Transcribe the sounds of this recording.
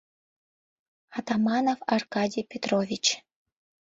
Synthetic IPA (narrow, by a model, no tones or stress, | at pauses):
ɑt̪ɑmɑnovɑrkɑdʲijpʲet̪rovʲit͡ɕ